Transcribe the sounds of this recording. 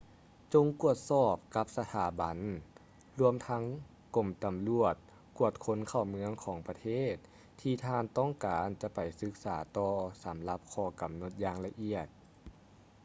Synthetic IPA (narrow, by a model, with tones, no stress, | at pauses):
t͡ɕo˧ŋku˧˩ət̪̚sɔː˧˩p̚ka˧˥p̚sa˧t̪ʰaː˩˦ba˨˦n | lu˧əmt̪ʰa˧˥ŋ | ko˨˩mt̪a˨˩mlu˧˩ət̪̚ | ku˧˩ət̪̚kʰo˧˥nkʰa˧˩wmɯ˧˥əŋkʰɔː˩˦ŋpa˧t̪ʰeː˥˩t̪̚ʰː | iː˧t̪ʰaː˧nt̪ɔː˥˩˨ŋkaː˨˦nt͡ɕa˧˦ʔpa˨˩jsɯ˧˦˥k̚saː˩˦t̪ɔː˧sa˨˦mla˧˦p̚kʰɔː˧˩ka˨˩mno˧˦t̪̚jaː˧ŋla˧ʔi˧˩ət̪̚